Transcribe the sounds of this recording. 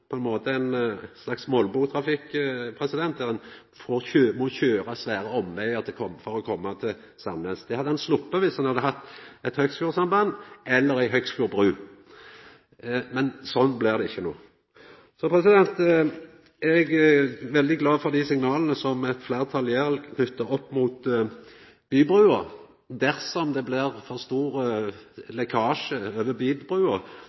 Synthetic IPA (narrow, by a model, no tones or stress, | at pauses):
pʰɔɛnmoːt̪əæɪnslɑksmɔlbuːt̪ʰɾɑfɪkːpʰɾɛsɪd̪ɛnt̪d̪æʁɛn | fɔøːmɔçøːɾɑsʋæːɾəɔmʋæɪəʁt̪ʰɪkʰɔmfɔɾɔkʰɔmːɑt̪ʰɪl | sɑnəsd̪ɛhɑd̪ːəɛnslʊpːəʋɪshɑnhɑd̪əɦɑt̪ːɛt̪hœɡskʉːʁsɑmbɑnːɛlːəɾæɪɦœɡskʉːɾbʁʉː | mɛnsɔnːblɪʁd̪ɛɪçːəno̰ː | sɔpʰɾɛsɪd̪ɛnt̪ | ɛɡʋɛld̪ɪɡlɑːfɔʁd̪isɪŋnɑːlənəsɔmɛt̪flæɪʁt̪ʰɑljæːʁəlnʉt̪ːəɔpːmuːt̪ | b̥yːbʁʉːə | d̪æʁsɔmd̪ɛblɪʁfɔʁst̪uːʁəlɛkʰɑːʃəøːʋəbyːd̪bʁʉːə